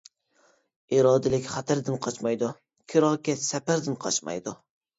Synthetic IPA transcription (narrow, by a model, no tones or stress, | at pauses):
iɾɒːd̪ɪlɪkʲχat̪ʰaɾd̪ɪnqʰɑt͡ʃmɑjd̪ʊ | kʲʰɪɾɒkʲasapaɾd̪ɪnqʰɑ̰t͡ʃmɑ̰jd̪ʊ